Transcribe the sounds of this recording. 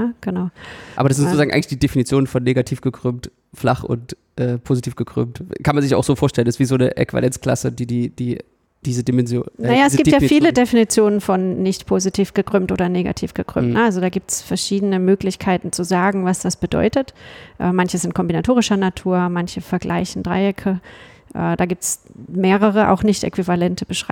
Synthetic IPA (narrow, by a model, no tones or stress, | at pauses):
nəɡ̥ənaʊʔaːbɐdas̬ɪnzot͡sːzaːŋ̩ʔaɪŋlɪ̥çd̥iːdefinit͡sjoːnənfɔnːeːɡatʰiːfɡ̥əkʁ̥øːmt | fla̰χʊ̰nt | ʔɛːpʰoːzitʰiːfɡ̥əkʁ̥ʏ̰ːmtkʰanmanzɪça̰ʊxz̥oːfoːɐʃtɛlənɛstv̥iːzoːnəʔɛ̰kʰv̥a̰lɛnt͡skl̥a̰sədiːdiːd̥iː | d̥iːzədimɛnzjonajaːɛsɡiːtjaːfiːlədefinit͡sjoːnənfɔnːɪçtpʰoːzitʰiːfɡ̥əkʁ̥ʏːmtʔoːdɐneːɡa̰tʰḭːfɡ̥əkʁ̥ʏ̰ːmtnəʔalzodaːɡiːp̚tsfɛɐʃiːdənəmøːklɪçkʰaɪtn̩t͡suzaːɡŋ̩vasd̥asb̥ədɔ̰ʏtətʔɛ̰ːmançəzɪnt̚kʰɔmbinatʰoːʁ̞ɪʃɐnatʰuːɐmançəfɛɐɡlʔa̰ɪçn̩dʁa̰ɪɪkʰə | ʔɛ̰ːdaːɡiːp̚tsmeːʁəʁəʔa̰ʊxnɪçtʔɛ̰kv̥ivalɛntʰəbəʃʁ̥a